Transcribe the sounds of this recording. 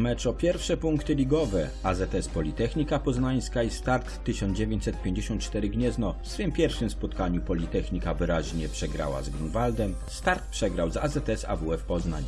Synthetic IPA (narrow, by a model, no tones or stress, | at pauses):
mɛt͡ʂɔpʲjɛɾfʂɛpuŋkt̪ɘlʲiɡɔvɛ | azɛt̪ɛspɔlʲit̪ɛxɲikapɔznaɲ̃skaist̪aɾt̪ːɘɕɔ̃nd͡ʑevʲjeɲt͡ɕsɛt̪̚pʲjeɲd͡ʑeɕɔnt̪̚t͡ʂt̪ɛɾɘɡɲɛznɔfsfɘmpʲjɛɾfʂɘmspɔt̪kaɲupɔlʲit̪ɛxɲikavɘɾaʑɲɛpʂɛɡɾa̰wa̰zɡɾunvald̪ɛm | st̪aɾt̪̚pʂɛɡɾawzazɛt̪ɛsa̰vuɛfpɔzna̰ɲ